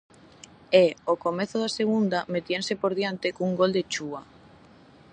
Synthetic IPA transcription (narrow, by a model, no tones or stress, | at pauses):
eokomeθʊðaseɣ̞und̪amet̪jensepoɾðjant̪ɪkuŋɡold̪et͡ʃua